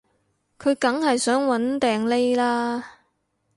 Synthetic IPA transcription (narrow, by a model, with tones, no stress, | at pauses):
kʰɵ˨˧ɥkɐ˨˥ŋhɐ˨jsœː˨˥ŋwɐ˨˥nt̪ɛː˨ŋle˥jlaː˥